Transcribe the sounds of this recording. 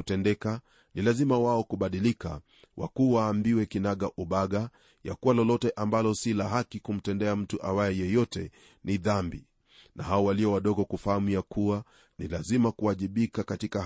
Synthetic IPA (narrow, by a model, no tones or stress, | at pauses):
utɛndɛka | nilazimawaɔkuɓaɗilika | wʔa̰kuwaːmbiwɛkinaɠaʔuɓaɠa | ja̰kuwalɔlɔtɛʔambalɔsilaɦakikum̩tɛndɛam̩tuʔawajɛjɛjɔtɛ | niðambḭ | nʔaɦaɔwaliɔwaɗɔɠɔkufahamujakuwa | nilazimakuaʄiɓikakatika